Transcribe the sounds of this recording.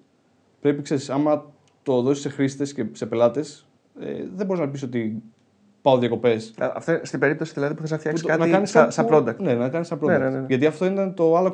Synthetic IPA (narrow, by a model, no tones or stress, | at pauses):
pɾe̞pikse̞ɾisɐmɐ | t̪o̞ðo̞sise̞xɾist̪e̞sce̞se̞pe̞lɐt̪e̞s | ḛðeboiznɐpisot̪i | pɐoðjɐko̞pe̞slɐ̰ft̪oinst̪ibe̞ɾip̚t̪o̞siðilɐðipuθɐsɐft̪çɐkust̪kɐtnɐkɐnisɐsɐlod̪ɐkne̞nɐkɐnist̪ɐblonenʝɐt̪iɐft̪o̞int̪ɐnt̪o̞ɐlo̞